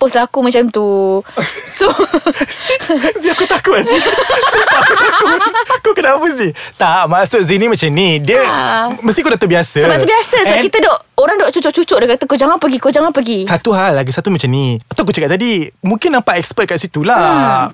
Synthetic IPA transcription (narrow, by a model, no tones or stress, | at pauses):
pʊslakumãt͡ʃamt̪u | so | ziakut̪akuazisəaakukokənapəsiht̪aʔmasʊk̚zinĩmat͡ʃamnidiəməst̪ikonat̪uʔbiasəəbat̪ʔbiasəsəbakit̪ədɔʔ | oɾaŋdɔʔt͡ʃut͡ʃʊʔt͡ʃut͡ʃʊʔdəkat̪əkod͡ʒaŋanpəɡikod͡ʒaŋanpəɡisat̪uɦalːaɡisat̪umat͡ʃamniat̪awkut͡ʃəkaʔ̚t̪adimũŋkɪnãmpaʔɛkspəd̚əkat̚sit̪ula